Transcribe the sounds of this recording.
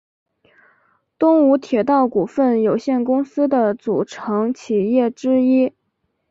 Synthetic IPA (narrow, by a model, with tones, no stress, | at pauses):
t̪ʊ˥ŋu˧˥t̪ʰjɛ˨˩t̪ɑ˥˩ʊku˨˩fə˥˩njo˨˩ʊɕjɛ˥˩nkʊ˥ŋsɹ̩˥d̪ə˨t͡su˨˩ʈ͡ʂʰɤ˧˥ŋt͡ɕʰi˨˩jɛ˥˩ʈ͡ʂɻ̩˥i˥